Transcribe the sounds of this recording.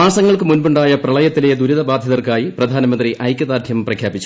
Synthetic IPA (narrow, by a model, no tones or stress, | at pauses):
aːsɐŋːɐɭkɨmunbuɳɖaːjɐprɐɭɐjɐt̪ːiled̪uɾiðɐbaːd̪ʱjɐðɐrkaːjiprɐd̪ʱaːnɐmɐnd̪riʔɐjkʲːɐðaːd̪ʱjɐmprɐkʰjaːbit͡ɕːu̥